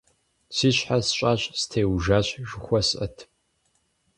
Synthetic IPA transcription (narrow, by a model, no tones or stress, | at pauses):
siːɕħasɕʼaːɕʼstʰeːwʒaːɕʒɨxʷɔsʔɐ̰tʰ